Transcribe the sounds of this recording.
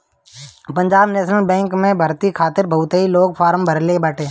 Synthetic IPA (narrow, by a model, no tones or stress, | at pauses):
pə̃ɲd͡ʒaːbneːʃnəlbɛ̃ːŋkmẽbʱɐɾt̪ikʰaːt̪ɪɾbʱɐʊt̪iloːɡ̚pʰaːɾmbʱɐɾlebɐʈẽː